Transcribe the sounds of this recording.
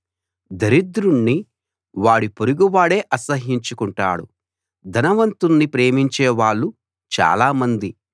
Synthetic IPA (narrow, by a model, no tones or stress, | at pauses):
d̪ɐɾid̪ɾuɳːi | ʋaːɽipoɾuɡuʋaːɽe̞ːʔɐsɐɦiɲt͡ʃukuɳʈa̰ːɽṵ | d̪ʱɐnɐʋɐnt̪unːipɾe̞ːmiɲt͡ʃɛːʋaːɭːu | t͡ʃa̰ːlaːmɐnd̪i